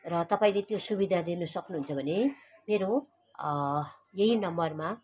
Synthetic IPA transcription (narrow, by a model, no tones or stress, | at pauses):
rʌt̪ʌpaĩlet̪josubid̪ʱad̪inʌsʌknuɦunt͡sʰʌbʱʌne | meɾo | jeɦinʌmbʌrma